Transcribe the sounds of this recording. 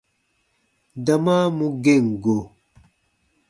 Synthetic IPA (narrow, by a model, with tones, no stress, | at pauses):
da˨ma˦mu˦ɡe˦˨ŋɡo˨